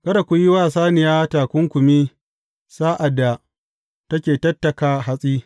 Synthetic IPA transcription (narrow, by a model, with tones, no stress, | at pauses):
kɐ˦da˨kʷʊ˨jɪ˦waː˦˨saː˦nɪ˨jaː˦taː˨kʷʊ˦ŋkʷʊ˨mi˦ | saː˦ʔa˨dːa˨ | tɐ˦kʲeː˨tɐ˦tːɐ˨kaː˦ɦa˦sʼiː˦